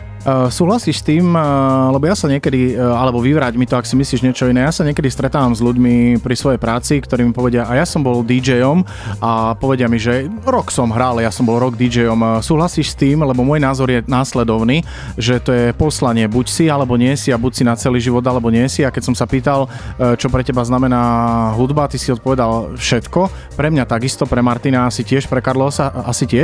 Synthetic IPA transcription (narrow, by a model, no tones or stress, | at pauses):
suːɦlasiːʃst̪iːmlɛbɔjasaɲɪɛkɛd̪ialɛbɔʋiʋɾaːɟmit̪ɔaksimisliːʒɲɪɛt͡ʃɔinɛːjasaɲɪɛkɛd̪ist̪ɾɛt̪aːʋamzʎuɟmipɾisʋɔjɛjpɾaːt͡sikt̪ɔɾiːmipɔʋɛɟɪaʔajasɔmbɔld̪id͡ʒɛjɔm | apɔʋɛɟɪamiʒɛɾɔksɔmɦɾaljasɔmbɔlɾɔɡd̪id͡ʒɛjɔmsuːɦlasiːʃst̪iːmlɛbɔmʊɔjnaːzɔɾjɛnaːslɛd̪ɔʊniː | ʒɛt̪ɔjɛpɔslaɲɪɛbucsialɛbɔɲɪɛsiabucsinat͡sɛliːʒiʋɔd̪alɛbɔɲɪɛsiakɛcsɔmsapiːt̪al | t͡ʃɔpɾɛcɛbaznamɛnaːɦud̪bat̪isiɔt̪̚pɔʋɛd̪alfʃɛt̪kɔ | pɾɛmɲat̪aɡist̪ɔpɾɛmaɾt̪inaasicɪɛʃpɾɛkaɾlɔsaasicɪɛʃ